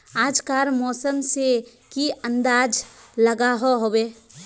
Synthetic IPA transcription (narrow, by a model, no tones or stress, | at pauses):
aːd͡ʒkaːɾmɔːsəmse | kiə̃nd̪aːd͡ʒləɡaɦoɦoːweː